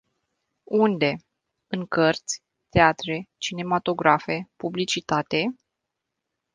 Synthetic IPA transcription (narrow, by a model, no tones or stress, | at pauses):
und̪e̞ | ɨŋkərt̪sʲ | t̪eat̪ɾe̞t͡ʃine̞mat̪o̞ɡɾafe̞publit͡ʃit̪at̪e̞